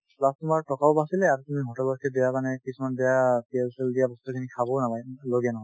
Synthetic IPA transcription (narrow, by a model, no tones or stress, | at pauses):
plastumaɹtɔkabasilɛaɹutumiɦɔtɛlbɔtkʰɛdɛjakanɛkisumandɛjapiɛlsɛldijabɔstukʰinikʰabɔnapajloɡijanɔɦɔj